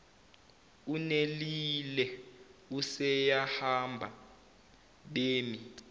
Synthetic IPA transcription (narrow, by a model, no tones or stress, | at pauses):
unelilɛusɛjahambʱa | ɓeːmi